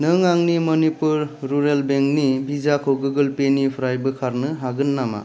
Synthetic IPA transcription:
nɯŋaŋnimɔnipuɾːuɾelbeŋk̚nibizakʰoɡuɡɯlpenipʰɾajbɯkʰaɾnɯɦaɡɯnːama̰

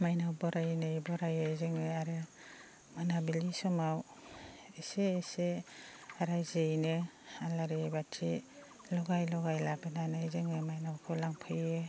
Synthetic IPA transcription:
majnawbɔɾajnɯjbɔɾajezɯŋɯaɾɯ | manabilisɔmaw | eseːse | aɾajzejnɯ | alaɾebatʰi | lɔɡajlɔɡajlabenanɯzeŋɯmajnawkʰɯlaŋpʰɯjɯ

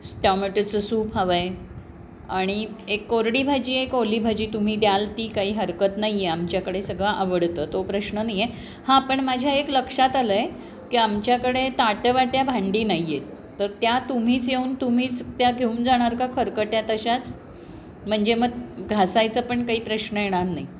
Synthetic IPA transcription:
sʈameʈt͡səsuːpɦaʋaj | aɽ̃iekːoɾɽiːbʱad͡ʑiːekolibʱad͡ʑiːt̪um̤iːd̪jalt̪iːkaɦiːɦəɾkət̪najeamt͡ɕjakəɽesəɡɭaʔaʋəɽt̪əːt̪opɾəɕnənaje | hãpəɳmad͡ʑʱjaekləkʂat̪aləj | kiːamt͡ɕjakəɽet̪aʈəʋaʈjabʱãɳɖiːnaiːet̪əɾt̪jat̪um̤iːt͡sjeunt̪um̤iːt͡st̪jaɡʱeumd͡zaɽ̃aɾkakʰəɾkəʈjat̪əɕat͡s | m̤əɳd͡zeməɡɡʱasajt͡səpəɳkaɦiːpɾəɕnəjeɽ̃aɾnai

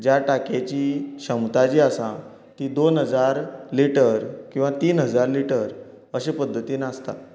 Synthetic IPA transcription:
d͡ʑjaʈaket͡ɕiːɕəmt̪ad͡ʑiːasa | t̪iːd̪onɦəd͡zaɾliʈəɾkĩw̃ʋat̪iːnɦəd͡zaɾliʈəɾ | əɕepəd̪ʱːət̪iːnast̪a̰

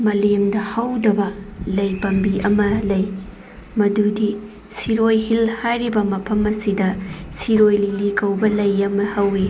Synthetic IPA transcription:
mɐlemdɐhɐwdɐbɐlɐjpɐmbiʔɐmɐlɐj | mɐdudi | siɾojhilhajɾibɐmɐpʰɐmɐsidɐsiɾojlilikɐwbɐlɐjɐmɐhɐwi

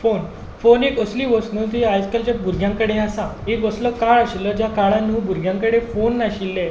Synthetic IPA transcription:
fon | fonekəsliːʋəsnut̪eajskalt͡ɕap̚buɾɡʱjãŋkəɽeasãekəsləkaɭaɕilːəd͡ʑjakaɭãnuːbuɾɡʱjãŋkəɽefonːaɕilːe

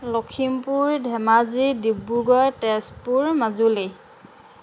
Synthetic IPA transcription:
lɔkʰimpuɹdʱɛmazidibːuɡɔjtɛspuɹmazuli

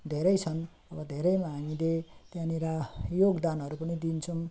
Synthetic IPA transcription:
d̪ʱeɾʌjt͡sʰʌn | ʌbʌd̪ʱeɾʌjmaɦaŋilet̪janiɾajoɡd̪anʌɾupʌnid̪int͡sʰʌm

